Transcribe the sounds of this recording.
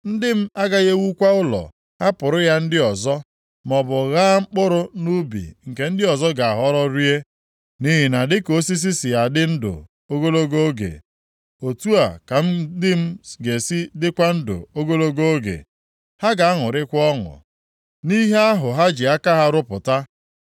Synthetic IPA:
n̩˦dɪ˦m̩˦a˦ɡa˦ɣe˦wu˦kʷa˦ʊ˦lɔ̰˨ | ha˦pʊ˨ɾʊ˦ja˦n̩˦dɪ˦ɔ˨zɔ˦ | mɔ˨bʊ˨ɣa˦ŋ͡m̩˦k͡pʊ˦ɾʊ˦nu˦bḭ˨ŋ̩˨ke˨n̩˦dɪ˦ɔ˨zɔ˦ɡa˨a˨ɦɔ˦ɾɔ˦ɾi˦e˦ | ni˦ɦi˨na˨dɪ˦ko˦s̬i˦s̬i˦sɪ˨ja˨dɪ˦n̩˦dʊ̰˨ | o˦ɡo˦lo˦ɡo˦o˦ɡḛ˨ | o˨tu˦a˨ka˨m̩˦dɪ˦m̩˦ɡe˨si˦dɪ˦kʷa˦n̩˦dʊ̰˨o˦ɡo˦lo˦ɡo˦o˦ɡḛ˨ | ha˦ɡa˨a˦ŋʊ˨ɾɪ˦kʷɔ˦ŋʊ̰˨ | ni˦ɦe˦a˦ɦʊ˨ɦa˦d͡ʒɪ˨a˦ka˦ɦa˦ɾʊ˦pʊ˨ta˦

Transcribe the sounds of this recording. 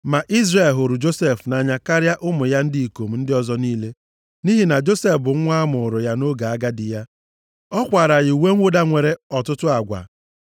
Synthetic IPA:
ma˨ʔi˦zre˨lɦʊ˨ɾʊ˨d͡ʒo˦se˦˨fna˨ɲa˨ka˦ɾja˦ʔʊ˦mʊ˨ja˦n̩˦dɪ˦i˨ko˨m̩˨n̩˦dɪ˦ɔ˦zɔ˦niː˦le˦ | ni˦ɦi˨na˨d͡ʒo˦se˦fbʊ˨ŋ̩˦ŋʷa˦mʊ˨ʊ˨ɾʊ˨ja˦no˦ɡa˨a˦ɡa˦dɪ˨ja˦ | ɔ˦kʷa˨ɾa˨ɣɪ˨u˨we˦ŋ̩ʷ˦ʊ˦da˦ŋʷe˨ɾe˦ɔ˨tʊ˦tʊ˦a˨ɡʷa̰˨

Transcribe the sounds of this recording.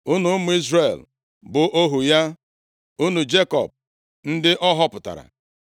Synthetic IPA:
u˦nu˨˦mʊ˦i˦zre˨l | bʊ˨ʔo˦ɦu˨ja˦ | u˦nu˨d͡ʒe˦kɔ̰˨b̚ | n̩˦dɪ˦ʔɔ˦ɦɔ˦pʊ˨ta̰˨ɾa̰˨

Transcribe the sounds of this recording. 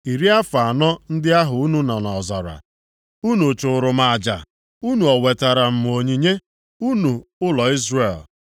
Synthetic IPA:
i˨ɾi˦a˦fa˨nɔ˦n̩˦dɪ˦a˦ɦʊ˨u˦nu˦na˨na˨ɔ˨za̰˨ɾa̰˨ | u˦nu˨t͡ʃʊ˨ʊ˨ɾʊ˨ma˨a˨d͡ʒa̰˨ | u˦nu˨ɔ˨we˨ta˨ɾa˨m̩˨m˨o˨ɲi˨ɲe˦ | u˦nu˨ʊ˦lɔ˨i˦zre˨l

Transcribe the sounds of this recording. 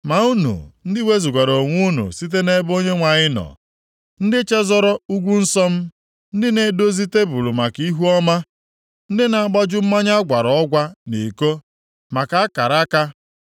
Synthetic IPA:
ma˨u˦nṵ˨n̩˦dɪ˦we˦zu˨ɡʷa˨ɾo˨ŋʷu˦nṵ˨si˦t̬e˦ne˦bo˦ɲe˦ŋʷa˨ɲɪ˦nɔ̰˨ | n̩˦dɪ˦t͡ʃe˦zɔ˦ɾɔ˦u˦ɡʷu˦n̩˦sɔ˦m̩˦ | n̩˦dɪ˦ne˨do˦zi˦te˦bu˨lu˨ma˨ki˦ɦu˦ɔ˦ma˦ | n̩˦dɪ˦na˨˦ɡ͡bɔ˦d͡ʒʊ˦m̩˦ma˦ɲa˦ɡʷa˨ɾɔ˨ɔ˦ɡʷa˦ni˨ko˦ | ma˨ka˨˦a˦ka˨ɾa˦ka˦

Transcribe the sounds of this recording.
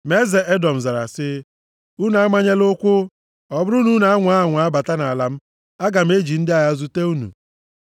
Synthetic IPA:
m˦e˦ze˨ʔe˦dɔ˨m̩˨za˨ɾa̰˨sɪ˦ | u˦na˨a˦ma˦ɲe˦lo˦kʷʊ˦ | ɔ˨bʊ˦ɾu˦nu˦na˨˦a˦ŋʷ˨˦a˦˨ŋʷa˨a˦ba˨ta˦na˨la˨m̩˦ | a˦ɡa˨m̩˦e˦d͡ʒi˨n̩˦dɪ˦a˨ja˦zu˦te˦u˦nṵ˨

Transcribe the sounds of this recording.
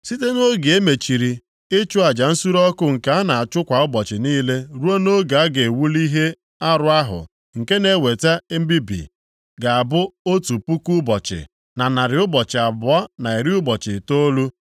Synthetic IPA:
si˦te˦no˦ɡe˨e˦me˨t͡ʃi˨ɾi˨ | ɪ˦t͡ʃʊ˦a˨d͡ʒa˨n̩˦su˦ɾɔ˦kʊ˦ŋ̩˨ka˨a˦na˨a˨t͡ʃʊ˦kʷa˨ʊ˦bɔ˨t͡ʃɪ˨niː˦le˦ɾu˦o˦no˦ɡa˨a˦ɡe˨wu˦li˦ɦe˦ | a˦ɾʊ˦a˦ɦʊ̰˨ | ŋ̩˨ke˦ne˨˦˨we˨ta˦m̩˦bi˦bḭ˨ | ɡa˨a˨bʊ˦o˦tu˨pu˦ku˦bɔ˨t͡ʃɪ̰˨ | na˨na˨ɾɪ˨ʊ˦bɔ˨t͡ʃɪ˨a˨bʊ˨˦ɔ˦na˨e˨ɾi˦ʊ˦bɔ˨t͡ʃɪ˨to˦lu˦

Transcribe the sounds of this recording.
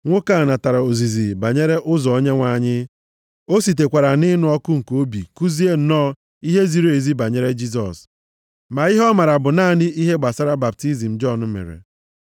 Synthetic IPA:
ŋʷo˦ka˦˨na˨ta˨ɾa˨o˨zi˨zi˨ba˨ɲe˦ɾe˦ʔʊ˦zɔ˨ɔ˦ɲe˦ŋʷa˨˦˨ɲɪ˦ | o˦si˨t̬e˨kʷa˨ɾa˨nɪ˦nʊ˦ɔ˦kʊ˦ŋ̩˨ko˦bi˨ku˦zi˦e˦n̩˨˦nɔː˦ | i˦ɦe˦zi˨ɾo˨e˨zi˦ba˨ɲe˦ɾe˦d͡ʒi˦s̬ɔ̰˨s | ma˨i˦ɦɔ˦ma˨ɾa˨bʊ˨naː˦˨˦nɪ˦i˦ɦe˦ɡ͡ba˨sa˦ɾa˦ba˨p̚ti˦zi˨m̩˨d͡ʒɔ˦˨nʊ˦mḛ˨ɾḛ˨

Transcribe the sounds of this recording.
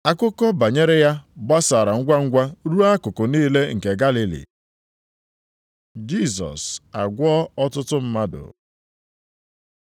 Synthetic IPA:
a˦kʊ˦kɔ˦ba˨ɲe˦ɾe˦ja˦ba˦sa˨ɾa˨ŋ̩˦ɡʷa˦ŋ̩˦ɡʷa˦ɾu˦a˦kʊ˨kʊ˨niː˦le˦ŋ̩˨ke˨ɡa˦li˦lḭ˨ | d͡ʒi˦˨sɔ̰˨sa̰˨ɡʷɔ˦ɔ˦tʊ˦tʊ˦m̩˦ma˦dʊ̰˨

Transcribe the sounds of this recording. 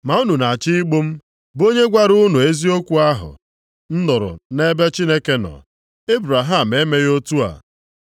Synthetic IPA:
ma˨u˦nu˨na˨t͡ʃi˦i˦ɡ͡bo˦m̩˦ | bo˦ɲe˦ɡʷa˦ɾʊ˦nu˨e˦zi˦o˦kʷu˨˦a˦ɦʊ̰˨ | n̩˦nʊ˨ɾʊ̰˨ne˦be˦t͡ʃi˦ne˦ke˦nɔ̰˨ | e˦bɾa˨ɦa˦˨m̩˨e˦me˦jo˦tu˦a̰˨

